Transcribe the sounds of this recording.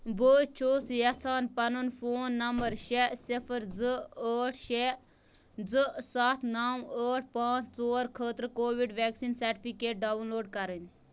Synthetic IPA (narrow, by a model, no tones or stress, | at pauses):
bəːt͡ʃʰoːsjɐsʰaːnpɐnunfoːnːɐmbəɾʃesifʰəɾd͡zɨəːʈʰʃe | d͡zɨsat̪ʰnaːwəːʈ̚ʰpãːt͡ʃt͡soːɾkʰəːt̪ɾkoːʋiɖʋɛːksinsɐɾʈipʰikeːʈ̚ɖaːʋnloːɖkɐɾən